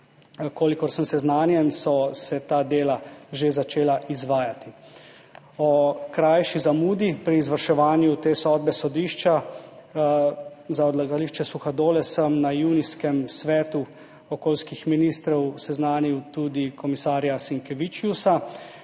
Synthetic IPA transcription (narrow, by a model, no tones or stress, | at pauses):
koːlikɔɾsəmsɛznaːnjɛnsɔsɛt̪aːd̪eːlaʒezat͡ʃeːlaʔizʋaːjat̪i | ɔkɾajʃizamuːd̪ipɾiːzʋəɾʃɛʋaːnjut̪eːsɔːd̪̚bɛsɔd̪iːʃt͡ʃa | zaɔd̪laɡaliʃt͡ʃɛsuxad̪oːlɛsəmnajuniskɛmsʋɛːt̪u | ɔkoːlskixminist̪ɾɔwsɛznaːniwt̪ud̪ikɔmisaːɾjasiŋkɛʋit͡ʃjusa